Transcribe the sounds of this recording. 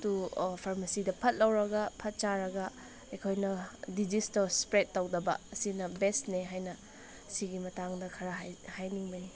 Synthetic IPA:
tupʰaɾmɐsidɐpʰɐt̚lɐwɾɐɡɐpʰɐt̚t͡ʃaɾɐɡɐ | ekʰojnɐdid͡ʒistospɾet̚ːɐwdɐbɐ̰ɐsinɐbestneɦajnɐ | siɡimɐtaŋdɐkʰɐɾɐɦhajniŋbɐni

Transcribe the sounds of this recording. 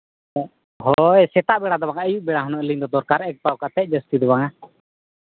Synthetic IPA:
ɦɔjsɛt̪aʔbɛɽad̪ɔbaŋaəjuʔbɛɽaɦɔnɔʔliɲd̪ɔd̪ɔɾkaɾɛk̚pawkat̪ɛc̚ˀd͡ʒəst̪id̪ɔbaŋa

